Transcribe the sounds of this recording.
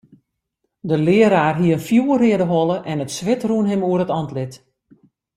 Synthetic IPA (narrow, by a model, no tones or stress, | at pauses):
dəlɪəɾaːrɦiəənfjuːərɪədəɦɔləʔɛnətsʋɪtruənɦɪmuəɾətɔntlɪt